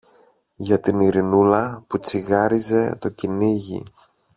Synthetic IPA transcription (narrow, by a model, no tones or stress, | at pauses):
ʝɐt̪iniɾinulɐput͡siɣɐɾize̞t̪o̞ciniʝḭ